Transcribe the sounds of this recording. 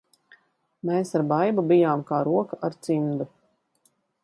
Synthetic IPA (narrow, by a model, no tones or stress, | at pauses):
meːsaɾbajbubijaːmkaːɾuɔkaʔaɾt̪simd̪u